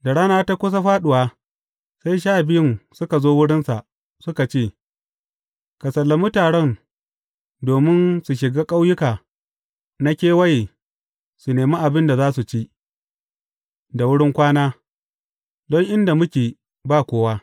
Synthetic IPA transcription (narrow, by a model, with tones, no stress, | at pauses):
da˨ɽaː˦naː˦ta˦kʷʊ˦s̬a˦ɸaː˦ɗʊ˨waː˦ | sa˦jʃ̬aː˦˨bɪ˦jɪ˦˨ŋsʊ˦ka˨zoː˦wʊ˦ɽɪ˦nsa˨ʔ | sʊ˦ka˨t͡ʃeː˦˨ | ka˨sɐ˨lːa˦mʊ˦taː˨ɽɛ˦˨n | doː˨mɪ˦nsu˨ʃɪ˨ɡaː˦kʼa˦wjʊ˦kaː˨ | na˦kʲeː˦wɐ˦jeː˨ | su˨neː˨mi˦ʔa˨bɪ˦nda˨zaː˦su˨t͡ʃi˦ʔ | da˨wʊ˦ɽɪ˦ŋkʷaː˦naː˦ | dɔ˦ŋʔɪ˦nda˨mʊ˦kʲeː˨ | baː˦˨kʷoː˦waː˦